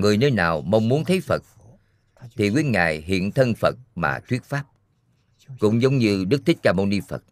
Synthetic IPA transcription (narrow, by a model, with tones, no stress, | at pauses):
ŋɨ˨˩əjnəː˧jnaː˨˩wmə˧wŋ͡mmu˨˦ənt̪ʰə˨˦jfə˨˩t̚ | t̪ʰi˨˩kwi˨˦˥ənŋa̰ː˧˨jɦḭ˧˨ənt̪ʰə˧nfə˨˩t̚ma̰ː˨˩t̪ʰwi˦˥ət̚faː˦˥p̚ | kʊ̰˧˥ŋ͡mzə˨˦wŋ͡mɲɨ˧ɗɨ˦˥k̚t̪ʰï˦˥k̟̚zaː˧mo˧ni˧fə̰˨˩t̚